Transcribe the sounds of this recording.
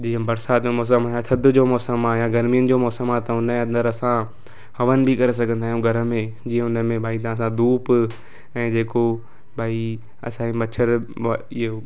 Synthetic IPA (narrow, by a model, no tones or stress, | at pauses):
d͡ʑiɦə̃bɐɾsaːt̪omɔːs̬əmaːjãt̪ʰɐd̪ʱʊd͡ʑoːmɔːsəmajãɡɐɾmijənɪ̆d͡ʑoːmɔːsəmat̪ɐɦʊnẽɐ̃nd̪əɾɐsã | ɦɐʋənɪ̆bʱikɐɾes̬ɐɡʱə̃nd̪aːɦijũɡʱɐɾə̆mẽd͡ʑiːɦə̃ɦʊnəmẽbʱaːit̪ãsãd̪uːp | ɛ̃ːd͡ʑeːko | bʱaːi | ɐ̰sãːimɐt͡ɕʰəɾ | ɪo